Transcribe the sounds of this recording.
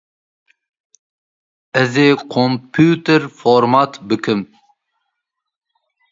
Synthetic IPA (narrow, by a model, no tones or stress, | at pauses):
ɛzeːkʰompʰuːt̪ɛɾfoɾmɑt̪bɨkʰɨm